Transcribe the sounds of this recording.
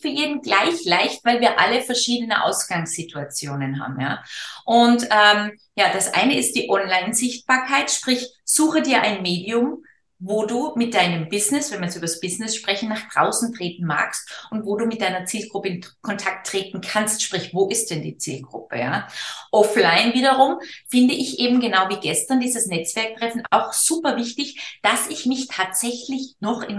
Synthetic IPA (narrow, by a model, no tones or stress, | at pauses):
fyːɐjeːdn̩ɡlaɪçlaɪçtv̥aɪlviːɐʔa̰ləfɛɐʃiːdənə̰ʔa̰ʊsɡ̥aŋsz̥ɪtʰuat͡sjoːnənɦa̰ːbm̩ja̰ːʔʊntʔɛːm | jaːd̥asʔa̰ɪnəɪst̚d̥iːʔɔnlaɪnzɪçt̚b̥aːɐkʰaɪtʃpʁ̥ɪç | z̥uːxədiːɐʔaɪnmeːdiʊm | voːduːmɪt̚d̥aɪnəmbɪznɪsvɛnvɐjɛsʔyːbɐsb̥ɪznɪsʃpʁ̥ɛçn̩naːχd̥ʁaʊsn̩tʁ̥eːtn̩ma̰ːkstʔʊntv̥oːduːmɪt̚d̥aɪnɐt͡siːlɡ̥ʁʊpəɪnkʰɔntʰak̚tʁ̥eːtn̩kʰanstʃpʁ̥ɪçv̥oːʔɪst̚d̥ɛndḭːt͡sḭːlɡʁʊ̰pəja̰ːʔɔflaɪnviːɾɐʁʊmfɪndəʔɪçʔeːbm̩ɡənaʊviːɡɛstɐndiːzəsnɛt͡sv̥ɛɐk̚tʁ̥ɛfn̩a̰ʊxz̥uːpɐvɪçtɪçd̥asɪçmɪçtʰaːtz̥ɛçlɪçnɔχʔɪn